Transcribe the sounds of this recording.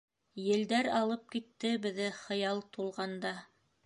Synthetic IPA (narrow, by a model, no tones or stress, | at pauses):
jɘ̆ld̪æɾɑlˠɤp̚kit̪ːɘbɘ̆ðɘχɤ̆jɑlˠt̪ulˠʁɑnd̪ɑ